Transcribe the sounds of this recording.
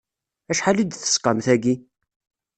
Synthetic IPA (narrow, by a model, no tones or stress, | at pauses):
æʃħalid̪θə̥sqɑmθæɡi